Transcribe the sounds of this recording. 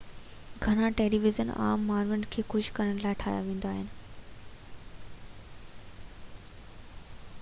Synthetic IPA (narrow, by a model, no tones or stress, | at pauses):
ɡʱɐɽ̃aʈeːliʋɪzəna̰ːmːaːɾʋəɳɖkʰeːxʊʃkɐɾəɽ̃laːɪʈʰaːjaʋẽːnd̪aːɦɪnɪ̆